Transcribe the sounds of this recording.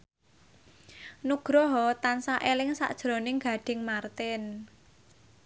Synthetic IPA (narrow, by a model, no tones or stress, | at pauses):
nuɡ̥ɾɔɦɔt̪ansaʔelɪŋsa̰ʔd̥ʒ̥ɾonɪŋɡa̤ɖ̥ɪ̤ŋmart̪ɪn